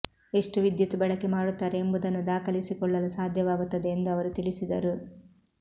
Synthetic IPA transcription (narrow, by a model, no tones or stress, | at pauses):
e̞ʂʈuʋid̪jɐt̪ubɐɭɐkːemaːɽut̪ːaːɾeːmbud̪ɐnːud̪aːkɐlisikɔɭːɐlusaːd̪ʱjɐʋaːɡut̪ːɐd̪eːnd̪uɐʋɐɾut̪iɭisid̪ɐɾu